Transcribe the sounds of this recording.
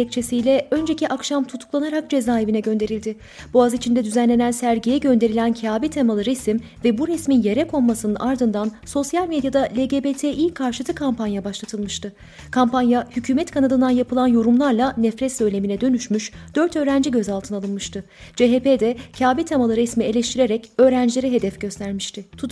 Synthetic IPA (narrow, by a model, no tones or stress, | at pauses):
ɛc̚t͡ʃʰe̞sijlʲɛø̞nd͡ʒeciʔakʃamt̪ʰut̪ʰu̥klˠanaɾak̚d͡ʒe̞zaːe̞vinɛɟø̞nd̪e̞ɾilʲd̪ɪ | b̥uazit͡ʃʰind̪ɛd̪yzænlʲe̞nænsæɾɟijɛɟø̞nd̪e̞ɾilʲæncʰaːbit̪ʰemalˠɯɾɛsim | vɛbuɾɛsminje̞ɾɛkʰo̞nmasɯnɯnʔaɾd̪ɯnd̪anso̞sjalʲmed̪jad̪alʲeɟebet̪ʰeilkʰːaɾʃɯt̪ʰɯkʰampʰanjabaʃlˠat̪ʰɯlˠmɯʃt̪ʰɯ | kʰampanjahycʰyːmɛt̪kʰanad̪ɯnd̪anjapʰɯlˠanjo̞ɾumlˠaɾlˠanɛfɾɛt̪sø̞jlʲe̞minɛd̪ø̞nyʃmyʃd̪̥ø̞ɾt̪ʰø̞ːɾænd͡ʒiɟø̞zalˠt̪ʰɯnalˠɯnmɯʃt̪ʰɯ | d͡ʒeɦeped̪ɛcʰaːbit̪ʰemalˠɯɾɛsmie̞lʲɛʃt̪ʰiɾe̞ɾɛcø̞ːɾænd͡ʒlʲe̞ɾɛɦe̞d̪ɛfɟø̞st̪ʰæɾmiʃt̪ʰɪt̪ʰu